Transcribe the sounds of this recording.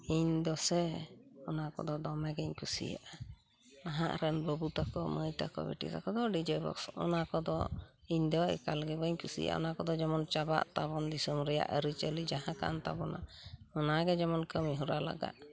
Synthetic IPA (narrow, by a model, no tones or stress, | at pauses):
iɲd̪ɔsɛɔnakɔ̰d̪ɔd̪ɔmɛɡɛɲkusḭja̰ʔa | aɦãʔɾɛnbəbut̪akɔməjt̪a̰kɔ̰bɛ̰ʈḭt̪akɔd̪ɔɖid͡ʒɛbɔ̰ksɔ̰nakɔd̪ɔ | iɲd̪ɔɛ̰kalɡɛbəɲkusḭja̰a̰ɔ̰nakɔd̪ɔd͡ʒɛmɔnt͡ʃaba̰ʔt̪abɔnd̪isɔmɾɛja̰ʔəɾit͡ʃəlid͡ʒaɦãka̰nt̪a̰bɔna̰ɔnaɡɛd͡ʒɛmɔnkəmiɦuɾala̰ɡa̰ʔ̪